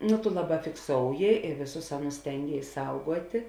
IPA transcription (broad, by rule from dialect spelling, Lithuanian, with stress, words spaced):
nʊ tʊ ˈlˠɑːˌbɑː fʲɪkˈsoːʊjɪ ɪ ˈʋʲeːˌsʊs ˈɑːˌnʊs ˈsʲtʲɛŋʲɡʲeːɪs ˈsɐʊɡuɔtʲeː